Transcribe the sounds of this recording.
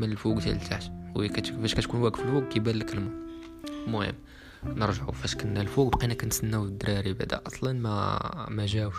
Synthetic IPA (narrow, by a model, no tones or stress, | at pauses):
mənəlfuɡt̪æ̰lt̪ʰaʕt̪jækæt̪fæʃkæt̪kunwæɡfəlfuɡ̚kæbælːəkəlm | mʊhə̰mː | nəɾʒəʕṵfæʃkænælfuɡ̚bqinækænsənːæwəd̪ːɾˤɑɾibaʕd̪æ̰ʔɑsˤlɑnmæ̰mæʒæwʃ